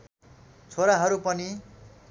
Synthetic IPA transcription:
t͡sʰoɾaɦʌɾupʌni

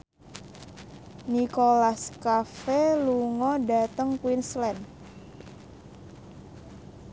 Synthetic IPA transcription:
nikolaskafeluŋɔda̤t̪əŋkwinslɛn

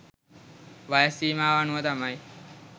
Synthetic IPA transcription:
ʋajsiːmaːʋanuɐd̪amai

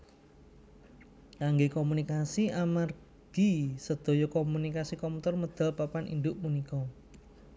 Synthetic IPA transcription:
kaŋɡekɔmunikasiamar | ɡ̥i̤səd̪̥o̤jɔkɔmunikasikɔmut̪ɔrməd̪̥a̤lpapanʔḭnd̪ʊʔmunikɔ

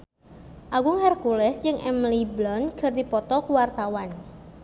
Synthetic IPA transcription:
ʔaɡʊŋɛrkulɛsd͡ʒɨŋʔɛmliblɔnɡ̥ə̤rd̪ipɔt̪ɔkuwart̪awan

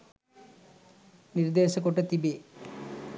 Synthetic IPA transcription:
niɾd̪eːɕɐkoʈːɐt̪ibe

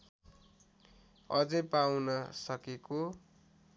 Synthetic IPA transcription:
ʌd͡zʌjpawnʌsʌkeko

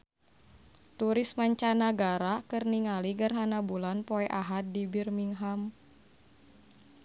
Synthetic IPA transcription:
t̪uɾismaɲt͡ʃanaɡaɾakərniŋaliɡərɦanabulanpɔɛʔaɦat̪̚dibirmiŋɦam

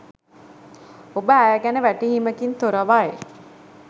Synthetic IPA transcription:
obəæjəɡænəʋæʈiɦiməkint̪oɾəʋaje

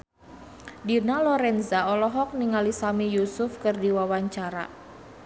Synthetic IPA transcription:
dinalɔɾɛnzaɔlɔɦɔk̚niŋalisamijusʊfkɨrdiwawaɲt͡ʃaɾa̰

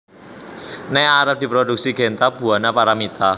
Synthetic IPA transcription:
nɛaɾəp̚d̪̥i̤pɾod̥uk̚siɡ̥ɛ̤nt̪ab̥ṳanapaɾamit̪a

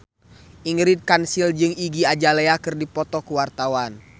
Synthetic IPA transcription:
ʔiŋɾit̪̚kansild͡ʒɨŋiɡiad͡ʒalɛakɨrdipɔt̪ɔkuwart̪awan

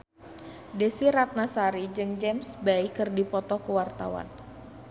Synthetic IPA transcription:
desiɾat̪̚nasaɾid͡ʒɨŋd͡ʒɛmsbaikɨrdipɔt̪ɔkuwart̪awa̰n

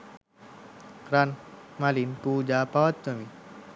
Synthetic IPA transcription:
ɾanmalinpud͡ʒapawat̪ːami

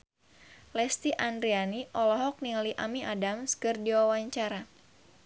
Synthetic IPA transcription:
lɛst̪iʔandɾianiʔɔlɔɦɔk̚niliʔamiʔadamskɨrdiwawaɲt͡ʃaɾa

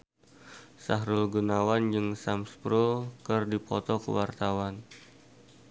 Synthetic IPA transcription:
saɦɾʊlɡunawand͡ʒɨŋsamspɾokɨrdipʰɔt̪ɔkə̰wart̪awan

